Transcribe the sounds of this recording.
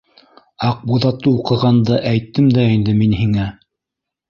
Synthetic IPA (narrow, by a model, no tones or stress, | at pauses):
ɑq̚buðɑt̪ːɤuqɤ̆ʁɑnd̪ɤʔæjt̪ːɘmd̪æind̪ɘminhiŋæ